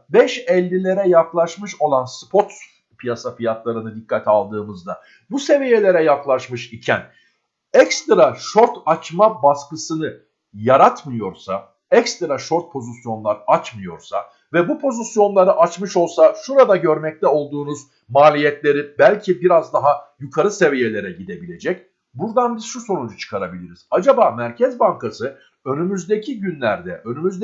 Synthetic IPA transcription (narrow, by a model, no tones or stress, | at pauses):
bɛʃɛlʲːilʲe̞ɾɛjaklˠaʃmɯʃo̞lˠanspʰo̞t̪ | pijasafijat̪lˠaɾɯnɯd̪ikʰːat̪ʰalˠd̪ɯːmɯzd̪a | buse̞vijelʲe̞ɾɛjaklˠaʃmɯʃicʰæn | ɛkst̪ɾaʃo̞ɾt̪at͡ʃmabaskɯsɯnɯ | jaɾat̪mɯjo̞ɾsa | ɛkst̪ɾaʃo̞ɾt̪̚pʰo̞zisjo̞nlˠaɾɯat͡ʃmɯjo̞̰ɾsa̰ | vɛbupʰo̞zisjo̞nlˠaɾɯʔat͡ʃmɯʃo̞lˠsaʃuɾad̪aɟøɾmɛc̚t̪ʰɛo̞lˠd̪uːnuz | maːlʲijɛt̪lʲe̞ɾibælʲcʰibiɾazd̪aɦajukʰaɾɯse̞vije̞lʲe̞ɾɛɟid̪e̞bilʲe̞d͡ʒɛc | buɾd̪anbiz̥ʃuso̞nund͡ʒut͡ʃʰɯ̥kʰaɾabilʲiɾiz̥ad͡ʒabaːmæɾcʰɛzbaŋkasɯ | ø̞nymyzd̪e̞cʰiɟynlʲæɾd̪ɛʔø̞nymyzd̪